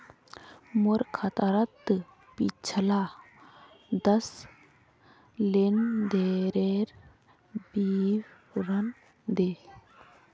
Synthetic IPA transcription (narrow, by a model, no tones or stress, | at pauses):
moɾkʰat̪aɾat̪ːɨ | pḭt͡ʃʰɐla | d̪ɐs | lend̪eɾeɾ | biw | ɾɐn | d̪e